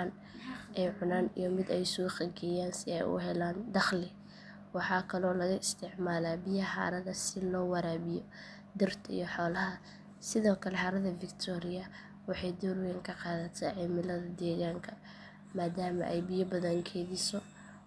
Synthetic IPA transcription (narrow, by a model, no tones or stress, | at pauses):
an | ʔɛjʕʊnaːnḭjɔmɪd̪ɛjsuːχɐɡɛjaːnsɪɛ̰jʊ̰ɦɛlaːnd̪ɑχlɪ | wɑħɑːkʰɐlɔːlɐɣɐɪst̪ʰɪʕmaːlaːbɪjɐħa̰ːɾɐðɐsɪlɔːwɐɾaːβɪjɔ | d̪ɪrt̪ʰḭjɔħɔːlɐɦɐ | sɪðɔːkʰɐlɛħɑɾɐðɐvɪkt̪ʰɔːɾɪjɐ | wɑħɑjd̪ɔːrwɛːŋkʰɐqɑːðɐt̪ʰaːʕɪmɪlɐðɐd̪ɛːɣaːŋkʰɐ | maːd̪aːmɐ̰ʔɛjbɪjɐbɐðɐŋkʰɛːðɪsɔ